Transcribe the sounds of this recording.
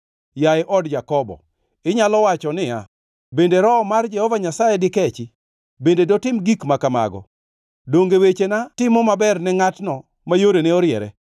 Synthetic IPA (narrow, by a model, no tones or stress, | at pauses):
jaɪʔɔdd͡ʒakɔbɔ̰ | ɪɲalɔwat͡ʃɔnɪja̰ | bendeɾɔmard͡ʒɛhɔvaɲasajɛdɪkɛt͡ʃɪ | bendedɔtɪmɡikmakama̰ɡɔ̰ | doŋɡewet͡ʃenatɪmɔmabɛrnɛŋatnɔ | majoɾeneɔɾjɛ̰ɾɛ̰